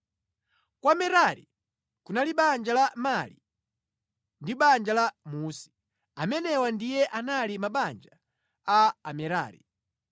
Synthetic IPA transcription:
kwamɛɾaɾḭ | kunaliɓand͡ʒalamali | ndiɓand͡ʒalamuːsi̥ | amɛnɛwandijɛʔanalimaɓand͡ʒa | aːmɛɾa̰ːɾḭ

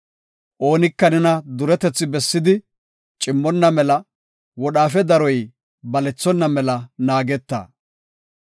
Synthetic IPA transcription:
ʔo̞ːnɪkːɐnɛnɐd̪ʊɾɛt̪ɛt͡sːɪbɛsːɪd̪ɪ | t͡ʃʼɪmːɔnːɐmɛlɐ | wɔɗaːfɛd̪ɐɾɔj | bɐlɛt͡sːɔnːɐmɛlɐnaːɡɛt̪ːɐ̰ː

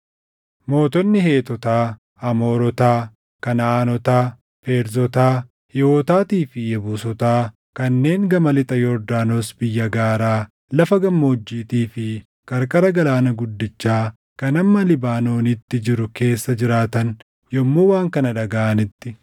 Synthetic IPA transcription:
mo̞ːt̪ɔnːɪhe̞ːt̪ɔt̪aː | ɐmo̞ːɾɔt̪aː | kɐnaːnɔt̪aː | fe̞ːɾzɔt̪aː | hɪoːt̪aːt̪iːfɪjɛbuːsɔt̪aː | kɐnːe̞ːŋɡɐmɐlɪt̪ʼɐjɔɾd̪aːnoːsbɪjːɐɡaːɾaː | lɐfɐɡɐmːoːd͡ʒːiːt̪iːfɪ | kɐɾkʼɐɾɐɡɐlaːnɐɡʊd̪ːɪt͡ʃːaː | kɐnɐmːɐlɪbaːno̞ːnɪt̪ːɪd͡ʒɪɾʊke̞ːsːɐd͡ʒɪɾaːt̪ɐŋ | jɔmːoːwaːŋkɐnɐᶑɐɡaːʔɐnɪt̪ːɪ

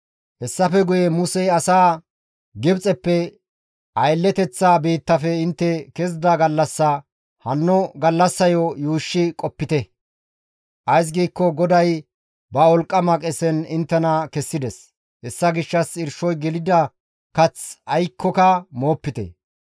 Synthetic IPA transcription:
hɛsːɐfɛɡʊjɛmʊsɛjɐsaː | ɡɪbt͡sʼɛpːɛ | ʔɐjlːɛt̪ɛt͡sːaːbiːt̪ːɐfɛɪnt̪ːɛkɛs̬d̪aɡɐlːɐsːɐ | hɐnːɔɡɐlːɐsːɐjɔjuːʃːɪkʼɔpːɪt̪ɛ | ʔɐjs̬ɡiːkːɔɡɔd̪ɐj | bɐɔlkʼːɐmɐkʼɛsɛnɪnt̪ːɛnɐkɛsːɪd̪ɛs | hɛsːɐɡɪʃːɐsɪɾʃɔjɡɛlɪd̪ɐ | kɐt͡sɐjkʰːɔkɐmo̞ːpːɪt̪ɛ̰

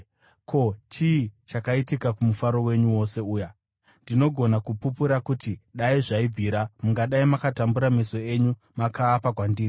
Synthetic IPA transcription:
kʰo̞t͡ʃiːt͡ʃakaitikakumufaɾo̞we̞ɲuwo̞se̞uːja | ndino̞ɡʱo̞nakupupuɾakutiɗaiʐaib͡vʱiːɾamuŋɡaɗaimakatambuɾameso̞e̞ɲu | makaːpakwandiːri

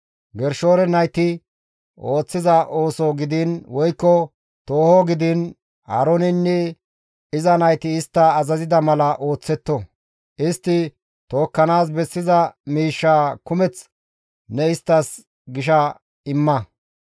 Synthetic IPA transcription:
ɡɛɾʃo̞ːɾɛnɐjt̪ɪ | o̞ːt͡sːɪzɐʔo̞ːsoɡɪd̪ɪnwɔjkːɔ | t̪o̞ːhɔɡɪd̪ɪn | ha̰ɾonɪnːɛ | ɪzɐnɐjt̪ɪːst̪ːɐːzɐzɪd̪ɐmɐlɐʔo̞ːt͡sːɛt̪ːɔ | ɪst̪ːɪ | t̪o̞ːkːɐnaːs̬bɛsːɪzɐmiːʃːaːkʊmɛt͡s | nɛɪst̪ːɐs | ɡɪʃ̬ɐ | ɪmːɐ

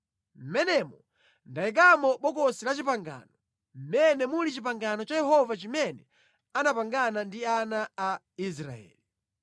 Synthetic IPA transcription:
m̩mɛnɛmɔ | ndaɛk̬amɔɓɔkɔsilat͡ʃip̬aŋɡa̰nɔ | m̩mɛnɛmulit͡ʃip̬aŋɡanɔt͡ʃajɛɦɔvat͡ʃimɛnɛ | anapaŋɡanandianaː | is̬ɾa̰ɛ̰ːli

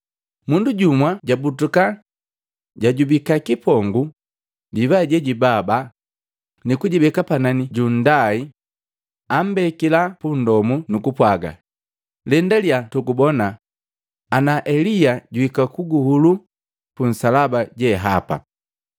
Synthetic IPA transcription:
munduɟumwaɟabutuka | ɟaɟubikakipɔŋɡu | divaɟɛɟibaba | nikuɟibɛkapananiɟun̩dai | am̩bɛkilapun̩dɔmunukupwaɡa̰ | lɛndaljatukubɔnaː | naʔɛlijaɟuhikakuɡuhulu | pun̩salabaɟɛɦapa̰

